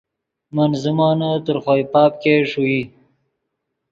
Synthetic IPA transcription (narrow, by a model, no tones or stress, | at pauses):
mənzumɑːnat̪əɾxojpɑːp̚keʂui